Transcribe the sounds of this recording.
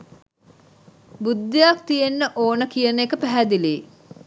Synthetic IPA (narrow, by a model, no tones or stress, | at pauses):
bud̪ːijak̚t̪ijenːəʔoːnəkijənəekəpæɦæd̪ileː